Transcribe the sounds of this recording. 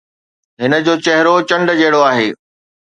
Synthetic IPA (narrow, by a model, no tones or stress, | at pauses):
ɦɪnə̆d͡ʑoːt͡ɕɐɦɪɾot͡ɕɐ̃ɳɖd͡ʑɐɦɪɽoaːɦeː